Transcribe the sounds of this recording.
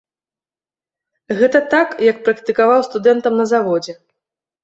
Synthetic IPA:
ɣɛt̪ɐt̪akjɐk̚pɾɐkt̪ɨkavawst̪ud̪ɛnt̪ɐmnɐzavɔd͡zʲɛ

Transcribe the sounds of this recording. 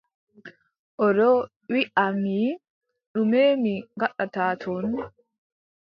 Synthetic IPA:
ʔɔɾɔ | wɪʔamiː | ɗʊmeːmiɡɐɗɐt̪aːt̪ʰon

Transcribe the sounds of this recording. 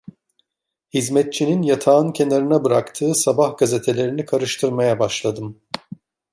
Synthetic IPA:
hizmɛt̪̚t͡ʃʰininjat̪ʰaːɯncʰe̞naɾɯnabɯɾakt̪ʰɯːsabahɡaze̞t̪ʰe̞lʲe̞ɾinikʰaɾɯʃt̪ʰɯɾmajabaʃlˠad̪ɯm

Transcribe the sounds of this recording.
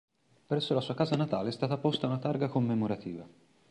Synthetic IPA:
pɾɛsːolasuːakaːzanat̪aːleɛst̪aːt̪apost̪aunat̪arɡakomːemoɾat̪ḭːva

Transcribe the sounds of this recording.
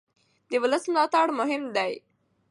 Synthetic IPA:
d̪əwʊləsmlɑt̪aɽmʊɦɪmd̪aj

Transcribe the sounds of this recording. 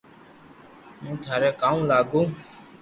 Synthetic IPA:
mũːt̪ʰaːɾɛːkaːũːlaːɡõː

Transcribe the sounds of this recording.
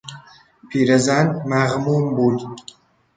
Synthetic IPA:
pʰiɾazaːnmaʁmuːmbul

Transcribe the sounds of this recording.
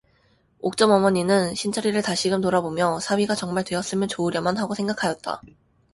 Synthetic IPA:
ok̚t͡ɕ͈ʌmʌmʌɲinɯnɕʰint͡ɕʰʌɾiɾɯɭtaɕʰiɡɯmtoɾabomjʌsʰawiɡat͡ɕʌŋmaɭtwe̞ʌs͈ɯmjʌnt͡ɕoɯɾjʌmanɦaɡosʰe̞ŋɡakʰajʌt̚t͈a̰

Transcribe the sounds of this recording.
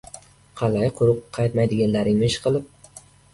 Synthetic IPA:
qʰɑlajqʰʊɾʊp̚qʰɑjt̪majd̪ɪɡʲanlaɾɪŋmɪʃqʰɨlˠɪp̚

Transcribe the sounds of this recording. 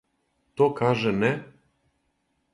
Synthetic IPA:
t̪okaʒɛnɛ

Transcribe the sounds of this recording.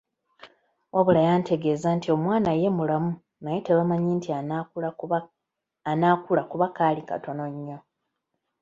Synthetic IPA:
wʔaβulajaːnte̞ɡe̞ːzantio̞mwaːnaje̞mulamu | naje̞teβamaɲinti | anaːkulakuβakaːlika̰to̞no̞ɲːo̞

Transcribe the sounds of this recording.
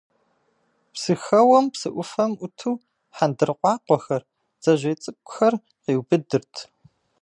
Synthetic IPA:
psɨxɐwɐmpsɨʔʷʊfɐmʷʊtʰuː | ħandɨrqʷʼɑːqʷɔxɐr | z̥ɐʒʷeːt͡sʼɨp̚kʷʼʊxɐr | qiːwbɨdɨrtʰ

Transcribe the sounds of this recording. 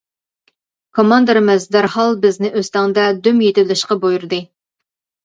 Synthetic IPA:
kʰomɑnd̪ɨɾɨmɪzd̪æɾhɑlˠbɪznɪʔøst̪ɑŋd̪ɑd̪ymjet̪ɪlɪʃqɑbojuɾd̪ɨ

